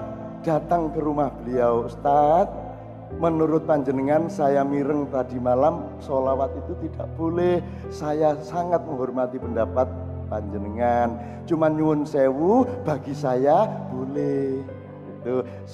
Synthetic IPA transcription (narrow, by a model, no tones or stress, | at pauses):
d̥at̪aŋkəɾumahb̥əliast̪at̪̚ | mənuɾʊt̪̚paɲd͡ʒənəŋansajamiɾəŋt̪adi̤malam | solawat̪it̪ut̪id̥aʔb̥olɛh | sajasaŋat̪̚məŋɦɔrmat̪ipəndapat̪̚ | paɲd͡ʒənəŋan | t͡ʃumanɲuʊnsewub̥a̤ɡisajab̥olɛh | ɡ̥it̪u